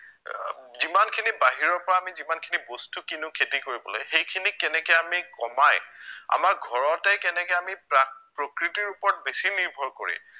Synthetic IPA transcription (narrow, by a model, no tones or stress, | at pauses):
zimankʰinibaɦiɹɔɹpɔɹaːmizimankʰinibostukinʊkʰetikoɹibɔ̰lo̰jxejkʰinikɛnɛkɛjamikɔmaja̰maɹɡʱɔɹɔtɛkɛnɛkɛjamipapɹokɹitiɹupɔɹt̚besiniɹbʱɔɹkoɹḭ